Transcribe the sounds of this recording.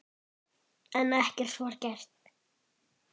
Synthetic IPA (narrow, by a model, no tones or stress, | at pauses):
ɛnɛhcɪɾ̥sɔɾcɛɾ̥t̪n̥